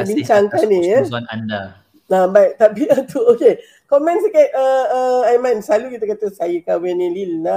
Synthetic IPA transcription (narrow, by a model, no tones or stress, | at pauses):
biɲt͡ʃaŋkanejɛana̰nda | abajʔt̪apiat̪uoke | kɔmɛ̃nsakat̚əəajmɛ̃nsalukit̪əkat̪əsajəkawɛnililna